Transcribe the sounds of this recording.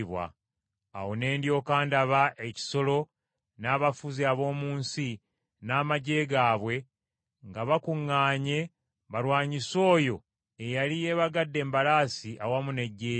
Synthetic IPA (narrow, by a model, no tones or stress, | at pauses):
βwa̰ː | wone̞ːndjo̞ːkaːndaβaʔe̞ci̥so̞lo̞ | naːβafuziaβo̞ːmuːnsi | naːmaɟe̞ːɡaːβwe̞ | ŋɡaβakuŋːaːɲe̞ | βaɾwaːɲiso̞ːjo̞ | e̞jalije̞βaɡadːe̞ːmbalaːsiʔawamune̞ɟːeː